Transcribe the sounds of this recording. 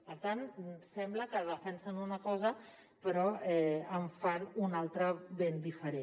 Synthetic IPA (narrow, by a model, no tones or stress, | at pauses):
pəɾt̪ansɛmbləkəðəfɛnsənunəkɔzə | pəɾɔɛəɱfanunalˠt̪ɾəβend̪ifəɾe